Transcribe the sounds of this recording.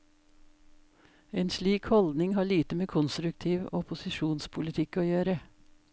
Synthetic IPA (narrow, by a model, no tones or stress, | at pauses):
eːnsliːkhɔld̪nɪŋhɑːɭiːt̪əmeːkʰʊnst̪ɾʉk̚t̪ʰiːʋɔpʊsɪʃuːnspʰʊlɪt̪ʰɪkoːjøːɾə